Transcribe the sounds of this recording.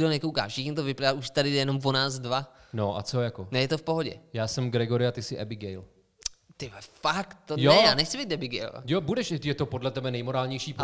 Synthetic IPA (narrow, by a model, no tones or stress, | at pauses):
onɛkowka̰ːfʃɪxɲot̪̬ovɪplɪaʔuʃt̪adɪdɛjɛnomvonaːzdvanoʔa̰t͡sojakonɛjɛt̪ofpo̞ɦoɟɛ̰jaːsɛmɡɾɛɡo̞ɾɪat̪ɪsɪʔɛbɪɡɛjl | t̪ɪfakt̪ːonjɛjaːnɛxt͡sɪbijt̪dɛbɪɡɛ̰jl̰jobudɛʃɛjɛt̪opodlɛt̪ɛbɛnɛjmoɾaːlɲɛjʃiːp